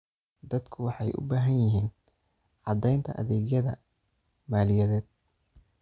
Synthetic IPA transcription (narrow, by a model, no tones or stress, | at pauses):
d̪ɐd̪kʰʊwɑħɑjʔʊ̰baːɦɐnjɪɦiːn | ʕɑd̪ɛjnt̪ʰɐ̰ʔɐ̰ðɛːɡjɐðɐ̰ | maːlɪjɐðɛːd̪̚